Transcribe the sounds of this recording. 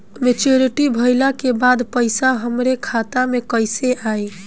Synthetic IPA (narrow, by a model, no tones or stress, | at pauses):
met͡ʃoɾiʈibʱəjlakebad̪pəɪsaɦəmɾekʰat̪amekəjseʔaj